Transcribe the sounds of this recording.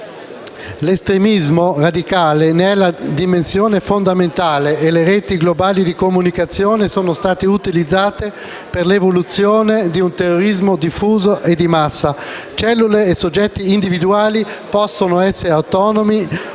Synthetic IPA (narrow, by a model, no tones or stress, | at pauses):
lest̪ɾemizmorad̪ikaːlenɛlad̪imensjoːnefond̪ament̪aːleːleɾeːt̪iɡlobaːlid̪ikomunikat̪sːjoːnesoːnost̪aːt̪eut̪ilid̪zːaːt̪e | perlevolut̪sjoːned̪iunt̪erːoɾizmod̪ifːuːzoʔed̪ːimasːa | t͡ʃɛlːuleːsod͡ʒːɛt̪ːiːnd̪ivid̪uaːli | pɔsːonoɛsːeɾeawt̪ɔːnomi